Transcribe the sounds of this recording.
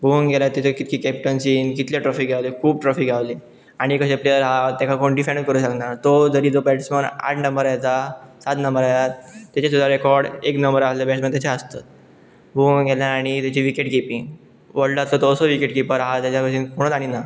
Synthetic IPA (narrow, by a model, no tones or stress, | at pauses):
ɡoŋɡelat̪ːat͡ɕekit̪kʰiːkɛp̚ʈənsiːnkit̪leʈɾɔfiːɡʱjaʋlekʰuːb̚ʈɾɔfiːɡʱjaʋle | aɽ̃ikəɕẽplejəɾɦat̪ãkʰakoɳɖifãɳkəɾuːɕəknaɾt̪od͡zəɾiːd͡zopɛʈsməna̰ʈʰnəmbəɾajt͡sasat̪nəmbəɾajat̪ːjat͡ɕas̬ud̪aɾekɔɾɽeknəmbəɾasləbɛʈsmənt̪jat͡ɕʰeəst̪at̪̚ | buɡʱeljaːɽ̃it̪at͡ɕeʋikeʈkipĩŋ | ʋəɽɖasət̪oːsəʋikeʈkipəɾaɦat̪jat͡ɕakəɕinkoɽ̃ət̪aɽ̃ina